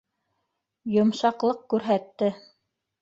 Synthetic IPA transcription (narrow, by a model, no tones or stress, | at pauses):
jŏmʃɑqlˠɤqkʉɾɦæt̪ːɘ